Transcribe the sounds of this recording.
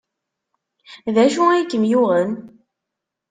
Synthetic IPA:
ðæʃuæjkːəmjʊʁən

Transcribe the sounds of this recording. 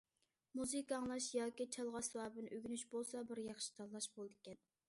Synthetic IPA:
muzɨkɑŋlˠɑʃjɑːkʲit͡ʃʰɑlˠʁɑswɑːbɨnɨʔøɡʲynyʃbolˠsɑbɪɾjɑχʃi̥t̪ʰɑlˠːɑʃbolˠɨd̪ɪkʲɛn

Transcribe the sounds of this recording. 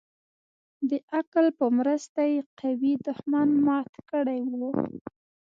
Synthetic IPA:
d̪əʔaklpəmɾəst̪ajeqawid̪ʊhmɑnmɑt̪kəɽajwu

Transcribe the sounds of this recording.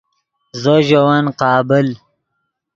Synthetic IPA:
zoʒowanqɑːbɪl

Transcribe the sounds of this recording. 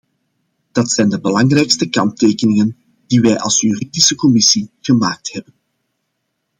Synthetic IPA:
d̥ɑtsɛjndəbəlɑŋrɛjkstəkɑnteːkənɪŋən | d̥iʋɛjʔɑ̰lˠsjyridisəkɔmɪsiɣ̥əma̰ːk̚thɛbən

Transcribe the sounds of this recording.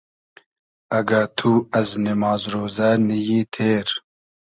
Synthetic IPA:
ɐɡat̪ʰuːɐznimɑːzɾoːzɐnijiːt̪ʰeːɾ

